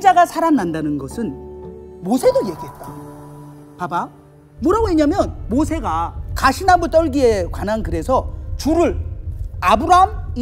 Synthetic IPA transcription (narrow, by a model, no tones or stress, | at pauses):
d͡ʑaɡasʰaɾanːandanɯnɡʌsʰɯn | mosʰe̞doje̞ɡiɦe̞t̚t͈a | paba | muɾaɡoeɲamjʌnmosʰe̞ɡakaɕʰinabut͈ʌɭɡie̞kwanankɯɾe̞sʰʌt͡ɕuɾɯɭ | abɯɾaɦami